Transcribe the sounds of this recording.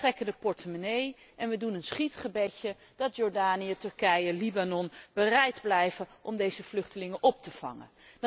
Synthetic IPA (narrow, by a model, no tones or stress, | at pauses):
trɛkəndəpɔɹtəmnej | ʔɛnʋədunənsχitχəbɛcə | d̥ɑtjɔɹdaːnijətɵɹkɛjəlibanɔnb̥ərɛjdblɛjvəʔɔmdejzəv̥lɵχtəlɪŋənʔɔp̚təv̥ɑ̰ŋə̰